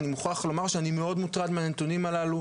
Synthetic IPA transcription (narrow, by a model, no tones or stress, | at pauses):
nimuχaχlo̞maʁʃeanimeo̞d̪mut̪ʁad̪meanet̪unimalalu